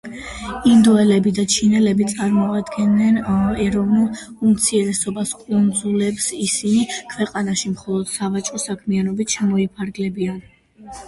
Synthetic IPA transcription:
ind̪ɔɛlɛbid̪at͡ʃʰinɛlɛbit̪sʼaɾmɔad̪ɡɛnːɛnɛɾɔvnulˠ | umt̪sʰiɛɾɛsɔbaskʼund̪zulɛpsisinikʰvɛqʼanaʃimχɔlˠɔd̪̥savat͡ʃʼɔsakʰmianɔbit̪ʰʃɛmɔipʰaɾɡlɛbian

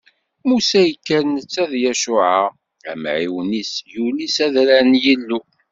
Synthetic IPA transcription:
musæjəkːænːət͡sːæðjæʃʊʕa | æ̰mʕiwnisjunisæðɾænjilːu

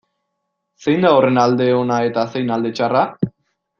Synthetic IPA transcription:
se̞jnd̪aore̞nald̪e̞o̞nae̞t̪ase̞jnald̪e̞t͡ʃara

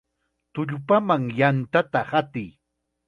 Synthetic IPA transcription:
t̪ʊʎʊpamaŋjant̪at̪ahat̪ɪj

